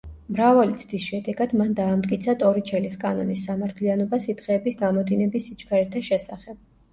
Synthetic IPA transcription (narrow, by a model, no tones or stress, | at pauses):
mɾavalit̪sʰd̪isʃɛd̪ɛɡad̪̥mand̪aːmt̪ʼkʼit̪sʰat̪ʼɔɾit͡ʃʰɛliskʼanɔ̰nisːamaɾt̪ʰlianɔbasit̪χɛːbisɡamɔd̪inɛbisːit͡ʃkʰaɾɛɾt̪ʰaʃɛsaχɛb̥̚